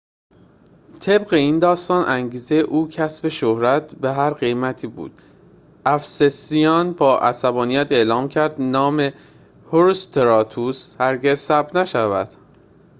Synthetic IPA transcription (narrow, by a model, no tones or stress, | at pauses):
t̪ʰe̞bɢe̞iːnd̪ɒːst̪ɒːnʔæŋɟiːze̞jeʔuːcʰæsbe̞ʃohɾæt̪̚ʰbeɦæɾɢe̞jmæt̪ʰiːbṵːd̪̥ | ʔæfsesijɒːnbɒːʔæsæbɒːnijæt̪ʰe̞ʔlɒːmcʰæɾd̪nɒːme̞ | hoɾust̪ʰeɾɒːt̪ʰushæɾɟe̞zsæb̪̚næʃævæd̪̥